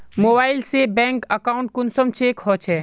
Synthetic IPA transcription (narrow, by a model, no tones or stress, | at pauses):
moːbaːɪlsebɛ̃ːŋkəkaːʊɳʈ̚kʊnsəmt͡ʃeːkɦɔːt͡ʃʰɛː